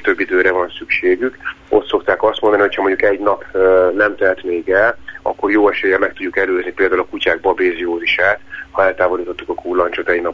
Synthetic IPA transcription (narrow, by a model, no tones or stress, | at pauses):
t̪ø̞bːid̪øːɾɛvɒnsykʃeːɡyko̞t̪so̞kt̪aːkɒst̪mond̪ɒniho̞chɒmo̞ɲɟukɛɟnɒpnɛmt̪ɛlt̪meːɡɛlɒ̰kːo̞rjoːɛʃɛjɛmɛk̚t̪uɟːukɛløːznipeːld̪aːulɒkucaːɡ̚bɒbeːzioːziʃaːt̪hɒɛlt̪aːvo̞liːt̪o̞t̪ːukɒkʰuːlːɒnt͡ʃot̪ɛɟnɒp